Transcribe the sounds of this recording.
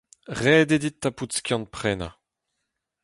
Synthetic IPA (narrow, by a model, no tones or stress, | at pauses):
ʁɛːd̪ed̪it̪ːaput̪skʲjɑ̃nt̪̚pχɛːna̰